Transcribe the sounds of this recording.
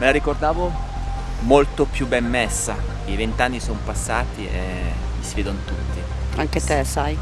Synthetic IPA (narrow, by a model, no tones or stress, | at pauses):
melaɾikord̪aːvo | molt̪opjubːɛmːesːa | ivent̪anːisompasːaːt̪iḛ | misiveːd̪onot̪ut̪ːi | aŋk̟et̪esaj